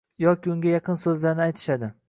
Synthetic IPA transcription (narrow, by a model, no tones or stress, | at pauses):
jɒkʲiʊŋɡʲajɑqʰɨnsɵzlaɾnɪajt̪ʰɪ̥ʃad̪ɪ